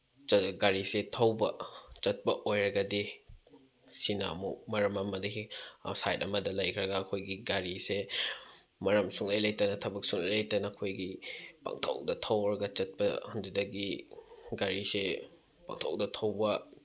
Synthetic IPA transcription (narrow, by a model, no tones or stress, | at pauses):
t͡ʃɐɡaɾisetʰɐwbɐt͡ʃɐt̚pɐʔojɾɐɡɐdi | sina̰mṵmɐɾɐmɐmɐdɐḭsajtɐmɐdɐlɐjkʰɾɐɡɐːkʰojɡiɡaɾise | mɐɾɐmsuŋlɐjlɐjtɐnɐtʰɐbɐk̚suŋlɐ̰jlɐjtɐnɐːkʰojɡipa̰ŋtʰɐ̰wdɐtʰɐwɾɐɡɐt͡ʃɐt̚pɐhundudɐɡiɡaɾise | pa̰ŋtʰɐ̰wdɐtʰɐwbɐ